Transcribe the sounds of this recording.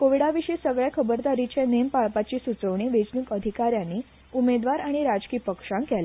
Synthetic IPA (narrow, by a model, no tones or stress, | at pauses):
koʋiɽaʋiʂisəɡɭjakʰəbəɾd̪aɾit͡ɕenempaɭpat͡ɕiːsut͡səʋɳ̃iʋed͡ʑnukəd̪ʱikaɾjanːiː | umed̪ʋaɾaɽ̃iɾad͡zkiːpəkʂãŋkɛla